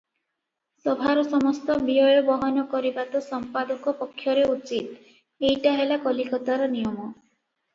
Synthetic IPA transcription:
sɔbʱaɾɔsɔmɔst̪ɔbiɔjɔbɔɦɔnɔkɔɾibat̪ɔsɔmpad̪ɔkɔpɔkʰːjɔɾeut͡ʃit̪ | ejʈaɦelakɔlikɔt̪aɾɔnijɔmɔ

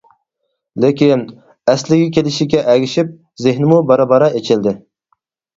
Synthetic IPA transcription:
lekʲin | ɛslɪɡʲikʲʰelɪʃiɡʲɛʔɛɡʲiʃip̚ | zɪhnɪmubɑɾɑbɑɾɑet͡ʃʰɪld̪ɪ

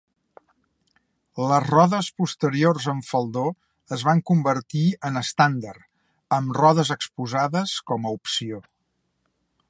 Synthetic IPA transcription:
ləzrɔðəspust̪əɾiorzəɱfəlˠd̪o | əzβaŋkumbəɾt̪iənəst̪and̪əɾ | əmrɔðəzəkspuzaðəskɔməupsio

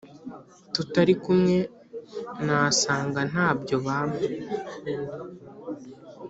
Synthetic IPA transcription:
tutaɾikumŋe̞ | naːsaːŋɡan̥aːbɟo̞βaːme

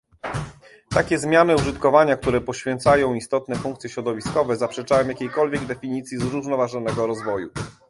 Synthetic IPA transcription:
t̪akʲɛzmʲjanɘuʐɘt̪kɔvaɲak̚t̪uɾɛpɔɕfʲjɛnt̪sajɔ̃w̃ist̪ɔt̪nɛfuŋkt̪sʲjɛɕɾɔd̪ɔvʲiskɔvɛzapʂɛt͡ʂajɔ̃w̃jakʲejkɔlvʲjɛɡd̪ɛfʲiɲit̪sʲjizɾuʐnɔvaʐɔnɛɡɔɾɔzvɔju

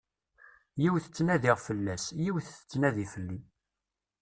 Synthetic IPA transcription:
jiwθə̥t͡sːnæðiʁfəlːæsjiwθə̥t͡sːnæðifəlːi

